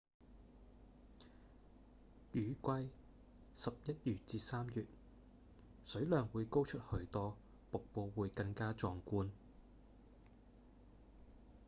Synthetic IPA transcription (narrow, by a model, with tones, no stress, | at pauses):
jyː˨˧kʷɐ˧j | sɐ˨p̚jɐ˥t̚jyː˨t̚t͡siː˧saː˥mjyː˨t̚ | sɵ˨˥ɥlœː˨ŋwuː˨˧jko˥wt͡ʃʰɵ˥t̚hɵ˧ɥt̪ɔː˥ | po˨k̚po˧wwuː˨˧jkɐ˧ŋkaː˥t͡ʃɔː˧ŋkuː˧n